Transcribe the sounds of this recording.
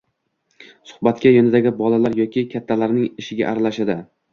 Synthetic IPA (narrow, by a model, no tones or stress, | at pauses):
sʊ̥hbat̪kʲajonɪd̪aɡʲɪbɒlalaɾjɒkʲɪkʲʰat̪ʰːalaɾnɪŋɪʃɪɡʲa̰ʔːɾalaʃad̪ɪ